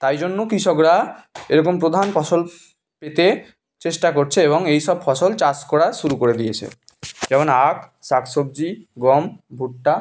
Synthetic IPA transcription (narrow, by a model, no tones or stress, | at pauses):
t̪ajd͡ʑonːokɾiʃɔkɾaeɾɔkompɾod̪ʱanfʰɔʃol | pet̪e | t͡ɕeʃʈakoɾt͡ɕʰeeβoŋejʃɔbfɔʃolt͡ɕaskɔɽaʃuɾukoɾed̪ijet͡ɕʰḛ | d͡ʑɛmonaksaksob̚d͡ʑiɡɔmbʱuʈːa